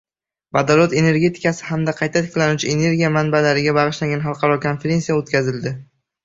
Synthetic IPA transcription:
bad̪alˠot̪e̞ne̞ɾɡʲe̞t̪ʰɪ̥kasɪ̥hamd̪aqʰɑjt̪ʰat̪ʰɪ̥kʲlanut͡ʃʰɪene̞ɾɡʲijamanbalaɾɪɡʲabɑʁɨʃlaŋɡʲanɦɑlˠqʰɑɾɒkʰonfe̞ɾe̞nsijaot̪̚kʲazɪld̪ɪ

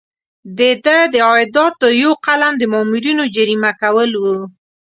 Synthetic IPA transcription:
d̪ed̪əd̪əɑɪd̪ɑt̪ːəɾjoqalamd̪əmɔmuɾinod͡ʒaɾimakawəlwu

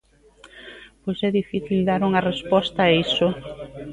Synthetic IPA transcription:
pojsɛðifiθild̪aɾuŋɐrespɔst̪ɐːisʊ

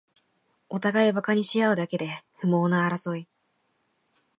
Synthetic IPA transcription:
o̞t̪aɡaibakaɲ̟iɕijaɯ̟d̪ake̞d̪e̞ɸɯ̟mo̞ːnaːɾaso̞i

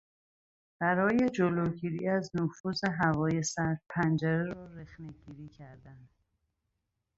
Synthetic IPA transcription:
b̥æɾɒːje̞d͡ʒoloːɡiːɾiːæznofuːze̞ɦævɒːje̞sæɾpʰænd͡ʒæɾeɾɒːɾexneɡiːɾiːcʰæɾd̪ænd̪̥

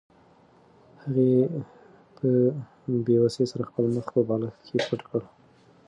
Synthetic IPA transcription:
haɣe | pʰə | bewasesaɾaxpəlməxpəbɑlakkʰepʰəʈkəɽ

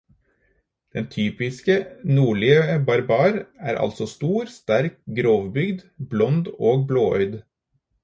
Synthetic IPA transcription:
d̪̥ɛnt̪ʰyːpɪskənuːɭiəəbɑɾbɑːɾæ̰ːɾʔɑ̰lsɔst̪uːɾst̪æɾk̚ɡɾoːʋbʏɡd̪blɔnd̪oːɡbloːœ̰ʏd̪

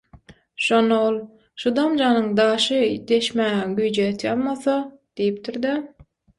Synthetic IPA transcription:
ʃo̞nːɑolˠ | ʃud̪ɑmd͡ʒɑːnɯŋd̪ɑːʃɯd̪e̞ʃmæːɡyjd͡ʒet̪ʰjɑlˠmɑθɑd̪̥ejip̚t̪ʰiɾd̪i

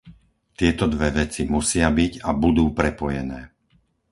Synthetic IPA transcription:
t̪ɪɛt̪ɔd̪ʋɛʋɛt͡simusɪabiɟabud̪uːpɾɛpɔjɛnɛː

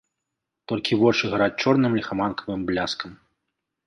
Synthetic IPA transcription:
t̪ɔlʲkʲivɔt͡ʂɨɣaɾat͡sʲt͡ʂɔrnɨmlʲixamankʰɐvɨmblʲaskɐm

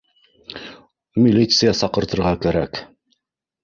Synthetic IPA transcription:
mʲilʲit̪sɨjɑsɑqɤ̆ɾt̪ɤ̆ɾʁɑkæɾæk

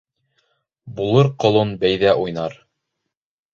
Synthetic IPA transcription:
bulˠɤɾqŏlˠonbæjðæʔujnɑɾ

